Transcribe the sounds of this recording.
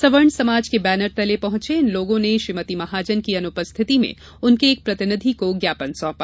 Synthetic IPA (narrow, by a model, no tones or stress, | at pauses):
sɐʋəɾɳsɐmaːd͡ʒkebɛːnəɾt̪ɛlepɐɦʊ̃t͡ʃeɪnloːɡõneʃɾɪmət̪imɐɦaːd͡ʒənkiɐnʊpəst̪ʰɪt̪imḛ̃ | ʊnkeːk̚pɾɐt̪ɪnɪd̪ʱikoɡjaːpənsɔ̃ːpaː